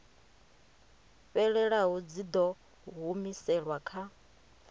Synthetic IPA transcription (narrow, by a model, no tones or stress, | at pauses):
ɸɛɺɛɺaɦud͡zid̪ɔ | ɦumisɛɺwakʰa